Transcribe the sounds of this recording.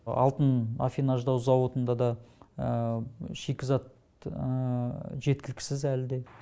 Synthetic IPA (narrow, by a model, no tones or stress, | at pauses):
ɑ̰lˠt̪əna̰fʲinɑʒd̪ɑwzɑwo̞t̪ənd̪ɑd̪ɑ | ʃekʲɪzɑt̪̚ | ʒe̞t̪̚kʲɪlɪkʲɪ̥sɪzælɪd̪e̞